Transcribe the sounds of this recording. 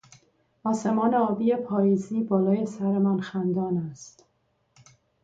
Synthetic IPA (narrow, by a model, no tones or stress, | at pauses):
ɒːse̞mɒːneɒːbiːje̞pʰɒːjiːziːbɒːlɒːje̞sæɾe̞mænxænd̪ɒːnæst̪